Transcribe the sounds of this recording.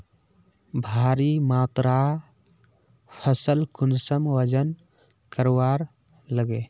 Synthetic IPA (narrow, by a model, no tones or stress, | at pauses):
bʱaɾimat̪ɾa | pʰəsəlkunsəmʋəd͡ʒən | kəɾwaɾ | ləɡe